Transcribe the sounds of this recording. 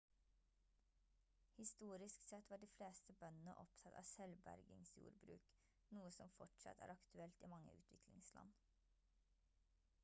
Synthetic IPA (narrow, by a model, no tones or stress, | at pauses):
hɪst̪uːɾɪsksɛt̪ʋɑːɖiːfleːst̪əbœnənəʔɔpt̪ʰɑt̪ɑ̰ːsɛlbæ̰ɾɡɪ̰ŋsjṵːɾbɾʉ̰ːk | nuːəsɔmfɔʈʂɑ̰t̪ʰæ̰ːɾɑkt̪ʰʉɛlt̪iːmɑŋːə̰ʉ̰ːt̪ʰʋɪklɪŋslɑ̰n